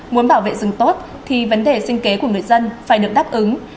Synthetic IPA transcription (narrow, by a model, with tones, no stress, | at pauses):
mu˨˦ənɓaː˧˩wvḛ˧˨zɨ˨˩ŋt̪o˦˥t̚ | t̪ʰi˨˩və˨˦nɗe˨˩sï˧ŋ̟ke˨˦ku˧˩əŋɨ˨˩əjzə˧nfaː˧˩jɗɨ˨˩ək̚ɗaː˦˥p̚ʔɨ˨˦ŋ